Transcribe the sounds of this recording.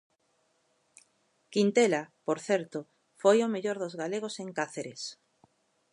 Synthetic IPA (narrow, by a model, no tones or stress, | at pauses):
kint̪elapoɾθɛɾt̪ʊ | fojomeʎoɾðozɣaleɣ̞oseŋkaθeɾes